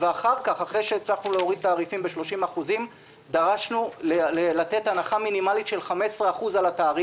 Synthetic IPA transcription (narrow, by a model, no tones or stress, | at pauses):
veaχaʁkaχaχʁe̞jʃeːt͡slaχnuleo̞ʁid̚t̪aːʁifimbeʃlo̞ʃimaχuzim | d̪aʁaʃnullat̪e̞t̪hanaχaminimalit̪ʃe̞lχame̞sʁeaχuzalat̪aːʁi